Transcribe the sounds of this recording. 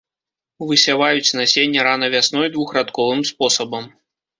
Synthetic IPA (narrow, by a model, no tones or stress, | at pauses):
vɨsʲavajut͡sʲnasʲenʲːɛɾanɐvʲasnɔjd̪vuxɾat̪kɔvɨmspɔsɐbɐm